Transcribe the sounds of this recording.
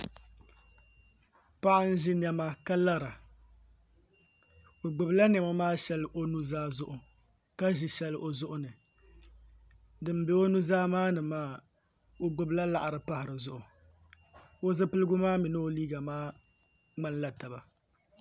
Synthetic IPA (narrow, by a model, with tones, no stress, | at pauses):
pa˦ʔa˦n̩˦ʒɪ˦nɛ˦ma˦ka˦la˦ɾa˨ | o˨ɡ͡bʊ˨bla˦nɛ˨ma˦maː˦ʃɛ˦lɨ˦ʔo˦nu˦zaː˦zʊ˦ʔʊ˨ | ka˦ʒi˨ʃɛ˦lɨ˦ʔo˨zʊ˦ʔʊ˦nɨ˨ | dɨ˨m˦be˨o˦nu˦zaː˦maː˦nɨ˨maː˦ | o˦ɡ͡bʊ˨bla˦la˨ʔa˨ɾɨ˨pa˦hɪ˨ɾɨ˨zʊ˨ʔʊ˨ | o˦zɨ˦pɨ˦lɨ˦ɡʊ˦maː˦mi˨nɨ˦o˨liː˦ɡa˨maː˦ | ŋ͡ma˦n˦la˦ta˨ba˨